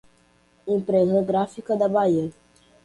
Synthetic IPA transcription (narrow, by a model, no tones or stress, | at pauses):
ĩpɾeɡəɡɾafikɐd̪ɐbaiəɾ